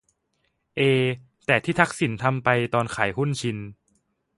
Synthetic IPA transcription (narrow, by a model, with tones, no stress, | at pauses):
ʔeː˧ | t̪ɛː˨˩t̪ʰiː˥˩t̪ʰa˦˥k̚si˩˦nt̪ʰa˧mpa˧jt̪ɔː˧nkʰaː˩˦jɦhu˥˩nt͡ɕʰi˧n